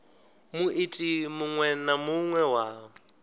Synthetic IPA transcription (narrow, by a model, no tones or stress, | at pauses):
mʊʔɪtʼimʊŋwɛnamʊŋwɛwa